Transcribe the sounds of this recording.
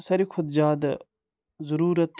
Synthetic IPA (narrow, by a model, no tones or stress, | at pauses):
saːɾiːkʰʊd̪d͡ʒaːd̪ | zəɾuːɾət̪ː